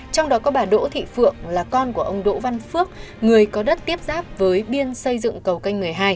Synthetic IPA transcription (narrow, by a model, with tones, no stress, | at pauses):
t͡ɕɔ˧wŋ͡mɗɔ˨˦kɔ˨˦ɓaː˨˩ɗo̰˧˥t̪ʰḭ˧˨fɨ̰˧˨əŋlaː˨˩kɔ˧nku˧˩əʔə˧wŋ͡mɗo̰˧˥va˧nfɨ˦˥ək̚ | ŋɨ˨˩əjkɔ˨˦ɗə˦˥t̚t̪i˦˥əp̚zaː˦˥p̚vəː˨˦jɓi˧ənsə˧jzɨ̰˧˨ŋkə˨˩wka˧jŋ̟mɨ˨˩əjɦaː˧j